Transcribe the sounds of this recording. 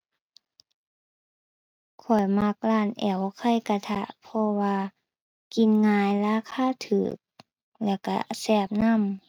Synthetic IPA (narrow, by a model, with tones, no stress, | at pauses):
kʰɔ˨˩jma˧k̚laː˧˩˨nʔɛː˨˩wkʰa˧˥˨jka˧˩t̪ʰa˧˩ʔpʰɔ˧waː˧ | ki˧˨nŋaː˧jlaː˧˥˨kʰaː˧˥˨t̪ʰɯ̰ː˨˩k̚ | lɛː˧˩wka̰˧˩sɛː˧˩p̚na˧˥˨m